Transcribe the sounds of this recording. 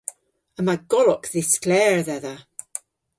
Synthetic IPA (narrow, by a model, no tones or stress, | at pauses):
əmaɡ̥ɔlɔkðɪsklɛːɹðɛðə